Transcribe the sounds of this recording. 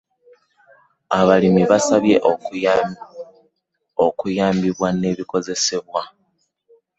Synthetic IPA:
aβalimiβasaβje̞ʔ | okujaːmbiβwane̞βiko̞ze̞se̞βwa

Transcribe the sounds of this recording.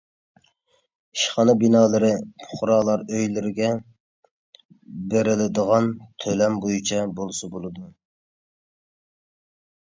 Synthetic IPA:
i̥ʃχɑnɨbinɑːlˠɨɾɪpʰʊ̥χʊɾɑːlˠɑɾøjlɪɾɪɡʲɛ | beɾɪlɪd̪əʁɑnt̪ʰølɛmbojut͡ʃʰɛbolˠɨsɑbolˠɨd̪u

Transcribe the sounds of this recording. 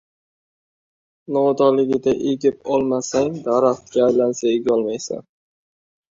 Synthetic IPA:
nɒd̪ɒlɪɡʲɪd̪aʔeɡʲɪp̚ɒlˠmasaŋd̪aɾaχt̪ʰɾajlansaeɡʲaɒlˠmajsa̰n

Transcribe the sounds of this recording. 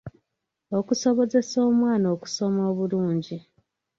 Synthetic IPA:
o̞kuso̞βo̞ze̞so̞ːmwaːno̞ːku̥so̞moːβuluːɲɟi

